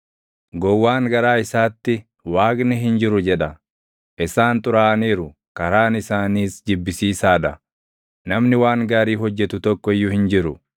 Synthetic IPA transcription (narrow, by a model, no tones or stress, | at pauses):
ɡɔwːaːŋɡɐɾaːɪsaːt̪ːɪ | waːɡnɪɦɪnd͡ʒɪɾʊd͡ʒɛᶑɐ | ʔɪsaːnt̪ʼʊɾaːneːɾʊ | kɐɾaːnɪsaːniːsd͡ʒɪbːɪsiːsaːᶑɐ | nɐmnɪwaːŋɡaːɾiːɦɔd͡ʒːɛt̪ʊt̪ɔkːɔɪjːʊhɪnd͡ʒɪɾʊ